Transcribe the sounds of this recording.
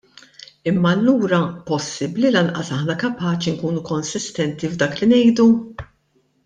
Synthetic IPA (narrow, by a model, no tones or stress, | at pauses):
ɪmːɐːlːuːɾɐpɔsːɪblilɐnʔɐ̰sɐħnɐkɐpɐːt͡ʃiŋkuːnukɔnsɪst̪ɛnt̪ivd̪ɐːklinɛjd̪u